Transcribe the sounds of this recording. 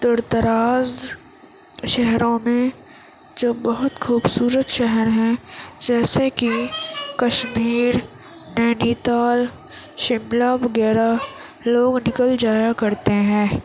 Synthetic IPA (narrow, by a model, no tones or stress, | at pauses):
d̪ʊɾt̪əɾaːz | ʃɛɦɾõmẽ | d͡ʒoːbɐɦʊt̪xʰuːbsuːɾət̪ʃɛɦɛɾɦɛ̃d͡ʒɛːsekikɐʃmiːɾ | nɛːniːt̪aːl | ʃɪmlaʋɐɡɛːɾa | loːɡnɪkəld͡ʒaːjakɐɾt̪eɦɛ̃ː